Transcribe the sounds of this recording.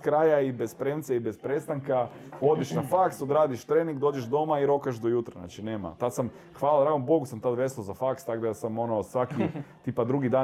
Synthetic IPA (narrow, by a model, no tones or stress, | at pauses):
kɾaːjaibespɾemt̪seibespɾest̪aŋkao̞d̪iʃnafakst̪od̪ɾaːd̪iʃt̪ɾeːniŋɡd̪oːd͡ʒeʒd̪o̞maiɾo̞kaʃd̪ojut̪ɾa̰na̰ːt͡ʃineːma̰t̪ad̪sam | xʋaːlˠad̪ɾaːɡombo̞ɡusamt̪ad̪ʋesozafakst̪aɡd̪asamo̞nosʋakit̪ipad̪ɾuɡid̪aː